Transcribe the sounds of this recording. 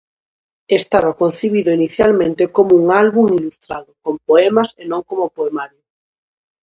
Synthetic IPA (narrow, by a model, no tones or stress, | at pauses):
est̪aβakon̟θiβiðʊiniθjalmẽnt̪ekomouŋalβuŋilust̪ɾaðʊkompoɛmasenõŋkomopoemaɾjʊ